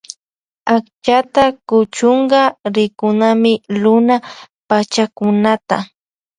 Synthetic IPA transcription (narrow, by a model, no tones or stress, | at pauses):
akt͡ʃat̪akʊt͡ʃʊɴɢɑɾɪkʊnamɪlʊna | pat͡ʃakʊnat̪a